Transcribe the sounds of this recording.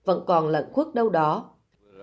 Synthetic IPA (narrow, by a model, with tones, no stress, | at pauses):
və̰˧˥nkɔ˨˩nlə̰˧˨nku˦˥ək̚ɗə˧wɗɔ˨˦